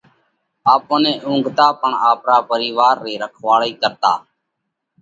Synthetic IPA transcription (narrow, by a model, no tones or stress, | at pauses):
aːpõːnẽːʔʊ̃ːŋɡt̪aːpəɳaːpɾaːpəɾiːʋaːɾːiːɾəkʰʋaːɭiːkəɾt̪a̰ː